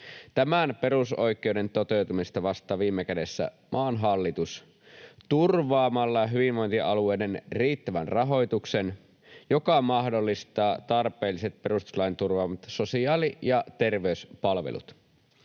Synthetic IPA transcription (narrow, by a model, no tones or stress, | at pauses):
t̪æmænpe̞ɾuso̞jkːˑewde̞nt̪ot̪e̞wt̪umist̪ɑʋɑst̪ˑɑːʋiːmːekæde̞sːæ̰ | mʔɑːnɦɑlːit̪us | t̪urʋɑːmɑlːɑɦyʋinʋojnt̪iʔɑluejdenriːt̪ːæʋænrɑɦo̞jt̪uksen | jokɑmɑhdolːist̪ɑːt̪ɑrpeːlːiset̪̚pe̞rust̪u̥slɑint̪urʋɑːmɑt̪sosiɑːlijɑt̪erʋeyspɑlʋḛlṵt̪